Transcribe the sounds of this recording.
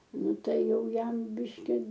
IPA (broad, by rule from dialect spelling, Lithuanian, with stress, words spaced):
ˈnʊ ˈtɐɪ ˈjɛʊ ˈjɛm ˈbʲɪʃʲkʲɪ